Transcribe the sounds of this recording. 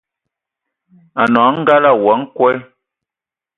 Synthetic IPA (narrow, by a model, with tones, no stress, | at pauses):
a˨nɔ˨˦ŋ̩˦ɡa˦la˦˨wa˨˦ŋ̩˦kwɛ˦